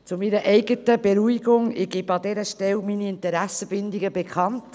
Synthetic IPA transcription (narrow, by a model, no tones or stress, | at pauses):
t͡sʊmiɾəʔɛɪɡətəbeɾuiɡ̥ʊŋɪɡ̥ɪbɑd̪ɛɾəʃtɛlminiɪntəɾæsəbɪndiɡəbekʰχɑnt